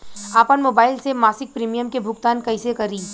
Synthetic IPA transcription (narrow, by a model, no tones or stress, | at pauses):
aːpənmoːbaːɪlsemaːsɪk̚pɾiːmijəmkebʱʊɡ̚t̪aːnkɐɪsekɐɾiː